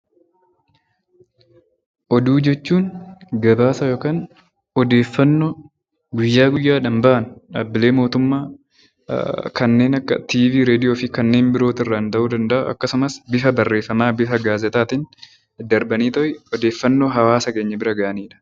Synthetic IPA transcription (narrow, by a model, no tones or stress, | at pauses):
ʔɔd̪uːd͡ʒɛt͡ʃːuːnɡɐbaːsɐjoːkaːn | ɔd̪e̞ːfːɐnːo | ɡʊjːaːɡʊjːaːᶑɐmbɐʔɐnᶑaːbːɪle̞ːmo̞ːt̪ʊmːaː | kɐnːe̞ːnɐkːɐ̰t̪iːviːɾe̞ːd̪ɪjo̞ːfɪkɐnːe̞ːmbɪɾo̞ːt̪ɪrːɐɪnt̪ɐʔuːd̪ɐnd̪ɐʔɐʔɐ̰kːɐsʊmɐsbɪfɐbɐrːe̞ːfːɐmaːbɪfɐɡaːzɛt̪aːt̪ɪn | d̪ɐɾbɐniːt̪ɔʔɪɔd̪e̞ːfːɐnːo̞ːɦɐwaːsɐke̞ːɲːɐbɪɾɐɡɐʔɐniːᶑɐ̥